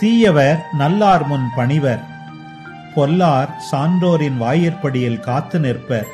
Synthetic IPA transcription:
t̪iːjɐʋɐɾnɐlːaːɾmʊnpɐɳɪʋɐɾ | pɔlːaːɾsaːndoːɾɪnʋaːjɐɾpɐɽɪjɪlkaːt̪ːɯnɪrpɐɾ

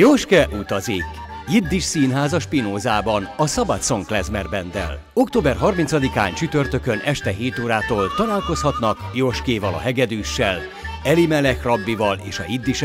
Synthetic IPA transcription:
joʃkɛʔut̪ɒzik | jid̪ːiʃsiːnɦaːzɒʃpinoːzaːbɒnɒsɒbɒt̪so̞ŋklɛzmɛrbɛnd̪ɛ̰l | o̞k̚t̪oːbɛrɦɒrmint̪sɒd̪ika̰ːnt͡ʃyt̪ørt̪økønʔɛʃt̪ɛɦeːt̪oːɾaːt̪oːlt̪ɒlaːlko̞shɒt̪nɒkjoʃkeːvɒlɒ̰ɦɛɡɛd̪yːʃːɛl | ɛlimɛlɛkrɒbːivɒlḛːʃɒ̰jid̪ːiʃ

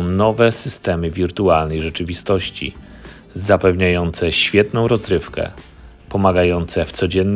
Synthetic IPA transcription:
nɔvɛsɘst̪ɛmɘvʲiɾt̪ualnɛjʐɛt͡ʂɘvʲist̪ɔɕt͡ɕḭ | zapɛvɲajɔnt̪sɛɕfʲjɛt̪nɔ̃w̃ɾɔzɾɘfkɛ̰ | pɔmaɡajɔnt̪sɛft̪sɔd͡ʑɛnː

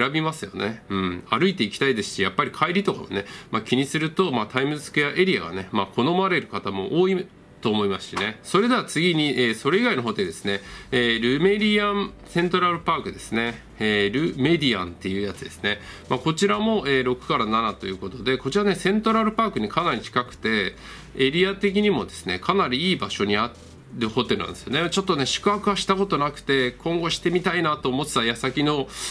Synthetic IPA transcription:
eɾabʲimasɨjo̞̰ne̞ɯ̟̃ɴaɾɯ̟it̪e̞ikʲi̥t̪aid̪e̞sɨ̥ɕijapːaɾʲikʰaiɾʲit̪o̞ka̰ma̰ne̞makʲiɲ̟isɨɾɯ̟t̪o̞mat̪aimɯ̟sɨ̥kɯjaʔe̞ɾʲia̰ɡa̰ne̞makʰo̞no̞maɾe̞ɾɯ̟kat̪amo̞ʔoːi | t̪o̞ːmo̞imaɕi̥ine̞so̞ɾe̞d̪e̞at͡sɨɡʲiɲ̟iʔeːso̞ɾe̞iɡaino̞ɦot̪e̞d̪e̞sɨ̥ne̞eːɾɯ̟me̞dʲiãnsẽ̞nt̪o̞ɾaɾɯ̟paːkɯ̟d̪e̞sɨne̞ | eːɾɯ̟me̞d̪ʲiã̰nt̪ːe̞jɯ̟ːjat͡sɨd̪e̞sɨ̥ne̞mako̞t͡ɕiɾamo̞eːɾo̞kɯ̟̥kaɾananat̪o̞jɯ̟ːko̞t̪o̞d̪e̞ko̞t͡ɕiɾane̞sẽ̞nt̪o̞ɾaɾɯ̟paːkɯ̟ɲ̟ikanaɾʲit͡ɕi̥kakɯ̟̥t̪e̞ | eɾʲiat̪e̞k̬ʲiɲ̟imo̞d̪e̞sɨ̥ne̞̰kʰanaɾʲiiːbaɕo̞ɲ̟ia | ɾɯ̟ho̞t̪e̞ɾɯ̟nã̰nesɨjonet͡ɕo̞t̪ːo̞ne̞ɕi̥kɯ̟akɯ̟aɕi̥t̪ako̞t̪o̞nakɯ̟̥t̪e̞kʰõ̞ŋɡo̞ɕi̥t̪e̞mʲit̪ainat̪o̞ːmo̞t͡sɨ̥t̪ajasakʲino̞

